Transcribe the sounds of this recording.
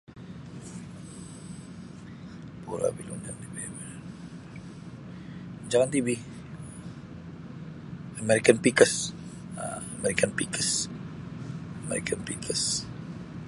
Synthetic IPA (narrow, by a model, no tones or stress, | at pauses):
puɾa̰bilund͡ʒant̪ibibɛ | d͡ʒaŋant̪ibi | amɛɾikanpikəs | a̰amɛɾikanpikʰəs | amɛ̰ɾḭkʰanpikʰəs